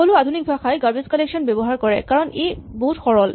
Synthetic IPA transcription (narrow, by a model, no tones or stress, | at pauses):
olʊadʱunik̚bʱaxajɡaɹbizkɔleksɔnbɛbɔɦaɹkɔɹɛ̰kaɹɔnejboutxɔɹɔl